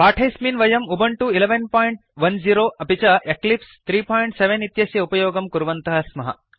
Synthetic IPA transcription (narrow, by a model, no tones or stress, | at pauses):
paːʈʰɐjsmiːnʋɐjɐmubɐɳʈuileʋɐnpaːjiɳʈʋɐnd͡ʒiːɾoːʔɐpit͡ʃɐʔeklipst̪ʰɾiːpaːjiɳʈseʋenit̪jɐsjɐupɐjɔːɡɐmkuɾuʋɐnt̪ɐɦɐsmɐɦɐ̰